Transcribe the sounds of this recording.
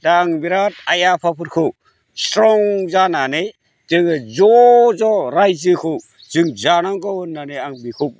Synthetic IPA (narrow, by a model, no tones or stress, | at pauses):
daŋbiɾat̚ajapʰapʰɯɾkʰɯw | stɾɔŋzananej | z̥ɯŋɯzɔzɔɾajzɯkʰɯw | zɯŋzanaŋɡɔwɯnːanejaŋbikʰup̚